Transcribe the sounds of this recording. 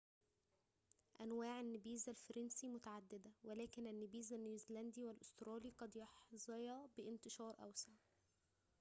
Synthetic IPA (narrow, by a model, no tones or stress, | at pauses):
ʔænwaːʕanːɪbiːzælfɑɾˤɑnsimʊt̪aʕad̪ːɪd̪æwælæːkɪnænːɪbiːzænːuzlænd̪iːwælʔʊst̪ɾɑːliqɑd̪jɑħzˤɑjɑbɪʔɪnt̪ɪʃɑːɾˤʔæ̰wsaʕ